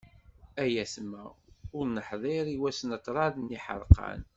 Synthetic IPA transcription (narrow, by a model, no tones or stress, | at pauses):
æjæsmːæʊɾnəħðˤɪɾˤiwæsnət̪ɾˤɑðnːiħə̰ɾˤqʰɑ̰n